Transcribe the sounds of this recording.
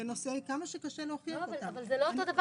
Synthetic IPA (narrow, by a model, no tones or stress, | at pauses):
enoseijkamaʃekaʃeleoχiaχot̪avalzelootod̪ɐv